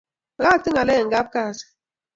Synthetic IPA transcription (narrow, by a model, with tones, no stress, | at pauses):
a˦˨tɨ˦ŋa˨le˦˨ŋ̩˨ɡa˦p̚ka˦˨s